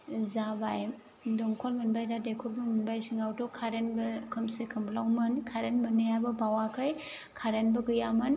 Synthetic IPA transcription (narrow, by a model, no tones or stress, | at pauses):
zabaj | dɔŋkʰɔlmɯnbajdadekʰɔɾbɯmɯnbajsiŋawtɔkʰaɾenbɯkʰɯmsikʰɯmblawmɯnkʰaɾenmɯnɯabɯbawakʰɯj | kʰaɾenbɯɡɯjamɯn